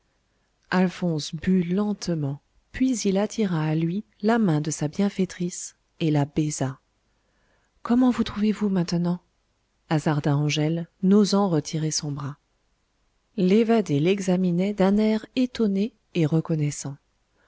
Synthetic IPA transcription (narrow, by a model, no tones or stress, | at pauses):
alfɔ̃sbylɑ̃t̪mɑ̃ | pɥizilat̪ʰiʁaːlɥi | lamɛ̃d̪əsabjɛ̃fet̪χis | elabɛza | kɔmɑ̃vut̪χuvevumɛ̃t̪ənɑ̃ | azaʁd̪aɑ̃ʒɛlnozɑ̃ʁət̪ʰiʁesɔ̃bʁa | levad̪elɛɡzaminɛd̪ɛ̃nɛʁet̪ɔneː | ʁəkɔnɛsɑ̃